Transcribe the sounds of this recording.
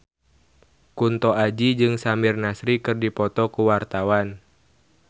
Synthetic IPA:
kunt̪ɔʔad͡ʒid͡ʒɨŋsamirnasɾikɨrdipɔt̪ɔkuwart̪awan

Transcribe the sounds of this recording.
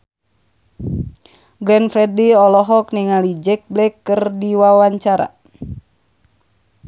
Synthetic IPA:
ɡɾɛnfɾɛdiɔlɔɦɔk̚niŋalid͡ʒɛk̚blɛkːɨrdiwawaɲt͡ʃaɾa̰

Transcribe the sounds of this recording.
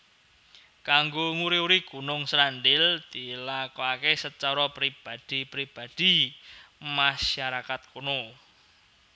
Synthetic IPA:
kaŋɡoŋuɾiuɾiɡ̥ṳnʊŋsɾandɪld̪̥ilakoakesət͡ʃɔɾɔpɾib̥a̤d̪̥i̤pɾib̥a̤d̪̥i̤ | maʃaɾakat̪̚kono

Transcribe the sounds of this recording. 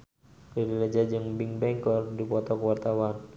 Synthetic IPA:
daɾilad͡ʒad͡ʒɨŋbiŋbɛŋkɔrdipɔt̪ɔkəwart̪awan

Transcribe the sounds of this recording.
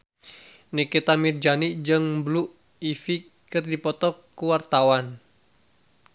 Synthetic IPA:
niket̪amird͡ʒaniʔd͡ʒɨŋbluʔ | ifi | kɨrdipɔt̪ɔkːuwart̪awan

